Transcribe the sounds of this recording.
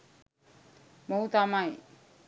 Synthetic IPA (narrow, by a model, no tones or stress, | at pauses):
mʌɦut̪amaj